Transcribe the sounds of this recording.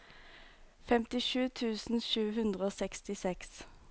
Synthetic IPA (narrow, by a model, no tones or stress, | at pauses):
fɛmt̪ɪʃʉːt̪ʰʉːsn̩ʃʉːhʉnd̪ʁəoːsɛkst̪ɪsɛks